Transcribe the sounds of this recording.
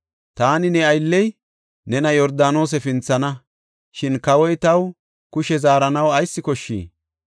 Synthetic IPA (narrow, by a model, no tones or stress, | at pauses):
t̪aːnɪnɛɐjlːɛj | nɛnɐjɔɾd̪aːno̞ːs̬ɛfɪnt͡sːɐnɐ | ʃɪnkɐwɔjt̪ɐw | kʊʃɛzaːɾɐnɐwɐjsːɪkɔʃːḭː